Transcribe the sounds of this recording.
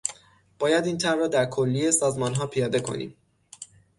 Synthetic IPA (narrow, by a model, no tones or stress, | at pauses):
b̥ɒːjæd̪iːnt̪ʰæɾrɒːd̪æɾkʰolːije̞sɒːzmɒːnɦɒːpʰijɒːd̪e̞kʰo̞̰nḭːm